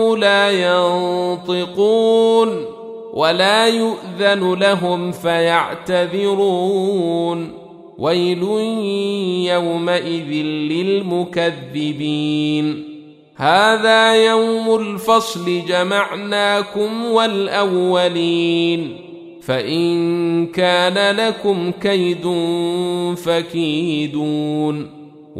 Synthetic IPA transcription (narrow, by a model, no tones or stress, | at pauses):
laːjɑnnt̪ˤɨquːn | wʔalaːjʊʔðanlaɦʊmfajaʕt̪aðɪɾuːn | wajlʊ | jawmaʔɪðɪnlɪlmʊkaðːɪbiːn | haːðaːjawmʊlfɑsˤlɪd͡ʒamaʕnaːkʊmwalʔawːaliːn | faʔɪnkaːnalakʊmkajd̪ʊnfakiːd̪uːn